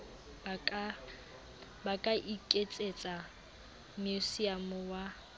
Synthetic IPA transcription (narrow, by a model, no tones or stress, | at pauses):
bakʼaʔikʼet͡sʼet͡sʼa | musiamʊwa